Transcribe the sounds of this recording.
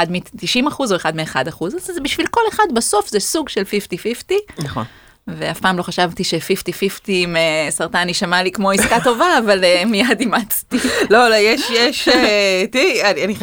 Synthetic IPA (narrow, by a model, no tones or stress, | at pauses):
ad̪mitiʃimaχuzo̞eχad̪meːχadaχuzzzebiʃvilko̞leχad̪baso̞fzesuɡʃelfiftififtinaχo̰n | veafpaːmlo̞χaʃavt̪iʃefiftififtimesaʁt̪aniʃamalikmo̞iskato̞vaːvalemijad̪imat͡st̪ilolojeʃjeʃetianiani